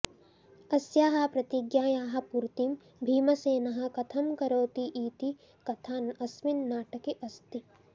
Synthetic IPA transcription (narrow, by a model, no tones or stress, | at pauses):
ɐsjaːɦɐ̆pɾɐt̪iɡjaːjaːɦɐ̆puɾt̪im | bʱiːmɐseːnɐɦɐ̆kɐt̪ʰɐmkɐɾoːt̪iʔiːt̪i | kɐt̪ʰaːnɐsʋinːaːʈɐkeʔɐst̪i